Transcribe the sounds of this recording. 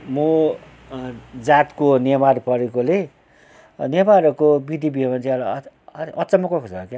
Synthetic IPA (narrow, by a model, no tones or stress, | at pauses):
mo | d͡zat̪konemarpʌɾekole | nemaɾkobid̪ʱibiʌmant͡sʰiʌlʔʌt͡sʌmʌkoksʰʌkja